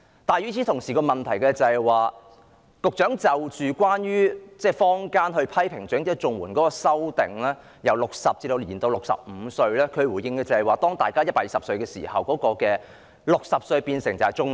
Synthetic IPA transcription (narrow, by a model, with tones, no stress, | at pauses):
t̪aː˨˧jy˨˥t͡sʰi˨˥t̪ʰʊ˨˩ŋsiː˨kɔː˧mɐ˨nt̪ʰɐ˨˩jkɛː˧t͡sɐ˨hɛ˨˩jwaː˨ | kʊ˨k̚t͡ʃœː˨˥ŋt͡sɐ˨wt͡ʃyː˨kwaː˥nɥyː˥t͡sɛː˥˩fɔː˥ŋkaː˥nhɵ˧ɥpʰɐ˥jpʰɪ˨˩ŋt͡ʃœː˨˥ŋt̪i˥˨˩t͡sʊ˨ŋwuː˨˩nkɔː˨˥kɔː˧sɐ˥wt̪ɪ̰˨ŋlɛː˥ | jɐ˨˩wlʊ˨k̚sɐ˨p̚t͡siː˧d̪o˧wliː˨˩nt̪o˧wlʊ˨k̚sɐ̰˨p̚m̩ː˨˧sɵ˧ɥlɛː˥kʰɵ˨˧wuː˨˩jɪ˧ŋkɛː˧t͡sɐ˨hɛ˨˩waː˨˩t̪ɔː˥ŋt̪a̰ː˨jkaː˥jɐ˥t̚paː˧˩jiː˨sɐ˨psɵ˧ɥkɛː˧sḭː˨˩hɐ˨wkɔː˨˥kɔː˧kɛː˧ | lʊ˨k̚sɐ˨p̚sɵ˧ɥpiː˧nsɪ˨˩ŋt͡sɐ˨˩hɛ˨˩jt͡ʃʊ˥ŋ